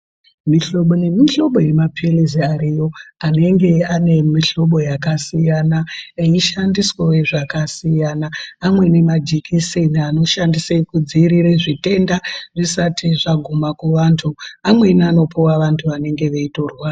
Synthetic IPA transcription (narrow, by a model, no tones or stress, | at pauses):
miɬo̞ɓo̞ne̞miɬo̞ɓo̞je̞mapʰiliziaɾijo̞ane̞ŋɡe̞ane̞miɬo̞ɓo̞jakasijanaeiʃandiswoweʐakasijanaːmwe̞ne̞mad͡ʒikʰiseniano̞ʃandiseikud͡ziːɾiɾeʐite̞ndaʐisatʰiʐaɡʱumakuʋantʰuamwe̞nano̞pʰuwaʋantʰuʋane̞ŋɡe̞ʋeitoːrwa